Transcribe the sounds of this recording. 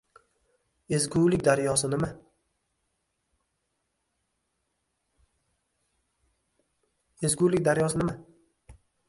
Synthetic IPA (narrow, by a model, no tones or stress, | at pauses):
ezɡʲʊlɪkʲd̪aɾjɒsɪnɪma | ezɡʲʊlɪk̚ʲd̪aɾjɒsɪnɪma